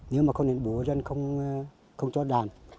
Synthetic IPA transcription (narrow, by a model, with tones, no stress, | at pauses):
ne˨˦wmaː˨˩xə˧ŋ͡mne˨˦nɓu˨˦əzə˧nxə˧wŋ͡m | xə˧wŋ͡mt͡ɕɔ˧˦ɗaː˨˩n